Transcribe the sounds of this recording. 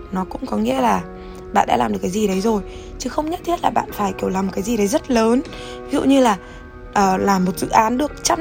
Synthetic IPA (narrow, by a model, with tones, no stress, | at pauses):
nɔ˨˦kʊ̰˧˥ŋ͡mkɔ˨˦ŋḭ˧˥əlaː˨˩ | ɓa̰ː˧˨nɗa̰˧˥laː˨˩mɗɨ˨˩ə˩kːaː˨˦zi˨˩ɗə˨˦jzo˨˩j | t͡ɕɨ˨˦xə˧wŋ͡mɲə˦˥t̪ʰi˦˥t̚laː˨˩ɓa̰ː˧˨nfaː˧˩jki˨˧˩əwlaː˨˩mo˨˩kaː˨˦zi˨˩ɗə˨˦jzə˦˥t̚ləː˨˦n | vi˦zṵ˧˨ɲɨ˧laː˨˩ | ʔːlaː˨˩mːo˨˩t̚zɨ̰˧˨ʔaː˨˦nɗɨ˨˩ək̚t͡ɕa˦˥